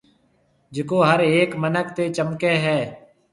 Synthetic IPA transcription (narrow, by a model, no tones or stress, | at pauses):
d͡ʒɪkoːɦəɾeːkmənək̚t̪eːt͡ʃəmkeːɦɛː